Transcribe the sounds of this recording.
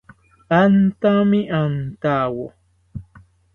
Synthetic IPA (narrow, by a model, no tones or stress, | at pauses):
ant̪amɪʔant̪aːwo